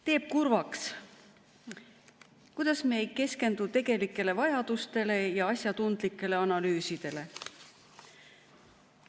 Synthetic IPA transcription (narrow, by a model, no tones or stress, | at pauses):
t̪e̞ːb̥̚kurvɑks | kujd̪̥ɑsmeejke̞ske̞nd̪̥ut̪e̞ɡ̥e̞likːˑe̞le̞vɑjɑd̪̥ust̪e̞le̞jɑɑsʲjɑt̪und̪̥likːˑe̞le̞ɑnɑlyːsid̪̥e̞le̞